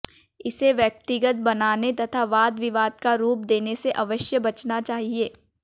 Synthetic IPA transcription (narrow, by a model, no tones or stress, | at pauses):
ɪseʋjɐk̚t̪ɪɡət̪̚bɐnaːnet̪ɐt̪ʰaʋaːd̪ʋɪʋaːd̪̚kaɾuːp̚d̪eːneseʔɐʋəʃjəbɐt͡ʃnat͡ʃaːɦieː